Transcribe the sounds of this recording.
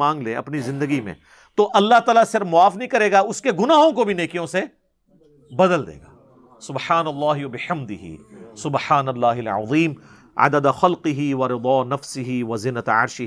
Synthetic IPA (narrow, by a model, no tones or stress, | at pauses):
ãːŋɡleːɐ̰pnizɪ̃nd̪əɡimḛ̃ | t̪oʔɐlːaɦt̪aːlasɪɾfmʊaːfnɐɦĩkɐɾeːɡaʊskeɡʊnaːɦõkobʱineːkijõse | bɐd̪əld̪ḛːɡa̰ː | sʊbħaːnɐlːaːɦɪwɐbɪħɐmd̪ɪɦḭsʊbħaːnɐlːaːɦɪlʕɑ̰ðˤiːm | a̰d̪əd̪xɐlqɪɦiʋɐɾɪd̪ɔːnɐfsɪɦiʋɐzɪnːət̪ɐ̰ɾʃɪ